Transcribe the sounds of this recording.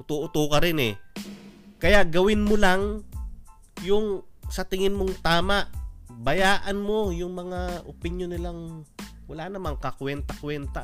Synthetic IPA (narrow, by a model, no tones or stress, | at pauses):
t̪uʔʊt̪ukɐɾɪnɛ | kɐjaʔɡɐwɪnmolaŋ | jʊŋsɐt̪ɪŋɪnmoŋt̪aːmaʔbɐjaːʔɐnmo̞jʊŋmɐŋaʔopɪnjonːɪlaŋwɐlaːnɐmaŋkɐkwɛnt̪ɐkwɛnt̪a